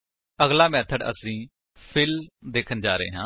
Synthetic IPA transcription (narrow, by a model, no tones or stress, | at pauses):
əɡlaːmɛːt̪ʰəɖə̰sĩː | pʰɪld̪eːkʰənd͡ʒaːɾəḛːɦãː